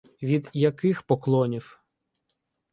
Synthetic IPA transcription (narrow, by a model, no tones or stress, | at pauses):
ʋʲid̪jɐkɪxpɔklˠɔnʲiw